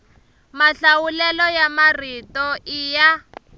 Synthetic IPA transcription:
maɬawulɛlɔjamaritɔʔija

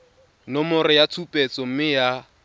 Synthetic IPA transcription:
nɔmʊɾɪjatʰupʼɛt͡sʼɔm̩mɪja

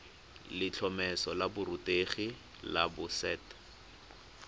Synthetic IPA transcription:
lɪt͡ɬʰɔmɛsɔlabʊrʊteχi | la̰bʊsɛːt

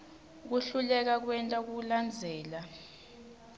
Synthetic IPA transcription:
k̬uɬulɛk̬ak̬wɛntʼak̬uland͡zʱɛːla

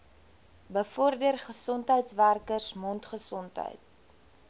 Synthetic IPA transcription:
bəfɔrdərχəsɔntɦəjtsværkərsmɔntχəsɔntɦə̰jt̚

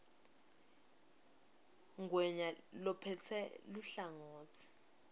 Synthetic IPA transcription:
ŋɡwɛɲalɔpʰɛtʰɛluɬaŋoːtʰi̥

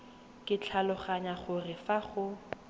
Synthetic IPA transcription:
kʼɪt͡ɬʰalʊχaɲaχʊrɪfaχʊ

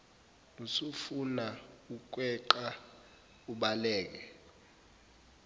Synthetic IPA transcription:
nusufunauk̬wɛǃa | uɓalɛːk̬ɛ

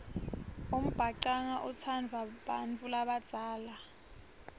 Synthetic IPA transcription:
om̩b̥ʱaǀaŋaʔut͡sʰand͡zʱwaɓa̰nt͡fʼulaɓad̥z̥ʱaːla

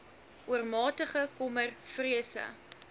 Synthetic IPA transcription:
ʔuərmɑːtəχəkɔmərfriəsə̰

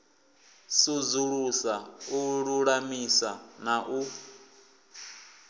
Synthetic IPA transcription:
sud͡zuɺusauɺuɺamisanaʔu

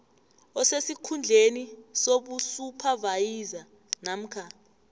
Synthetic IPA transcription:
ɔsesikʰund͡ɮʱenisoɓusupʰavajiza | nam̩kʰa

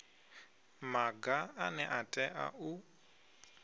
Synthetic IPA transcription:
maɡaanɛʔatʼɛʔa̰u

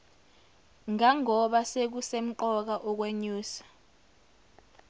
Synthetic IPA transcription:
ŋaŋɔɓasek̬usem̩ǃɔk̬aʔɔk̬weɲuːsḁ

